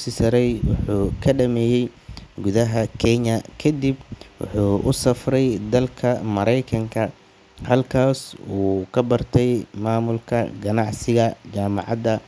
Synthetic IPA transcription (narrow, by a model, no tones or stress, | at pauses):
sɪsɐɾɛjwɑħuːkʰɐɖɐmɛːjɛjɡʊðɐɦɐkʰɛɲɐkʰɐd̪ibwʊ̰ħuːʔʊsɐfrɛjd̪ɐlkʰɐmɐɾɛjkʰɐŋkʰɐ | hɐlkʰaːsuːkʰɐbɐrt̪ʰɛjmaːmʊlkʰɐɡɐnɑʕsɪɣɐt͡ʃaːmɑ̰ʕɑd̪ɐ